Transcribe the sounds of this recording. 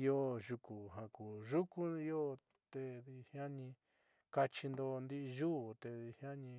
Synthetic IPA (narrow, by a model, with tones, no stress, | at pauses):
o˦ʒu˧ku˨ɦã˨ku˨ʒu˦ku˦i˦o˦ | t̪e˧ði˧hja˦nĩ˧ | ka˧t͡ʃi˧nd̪o˧nd̪i˦ʔʒu˦˨t̪e˧ði˧hja˦nĩ˧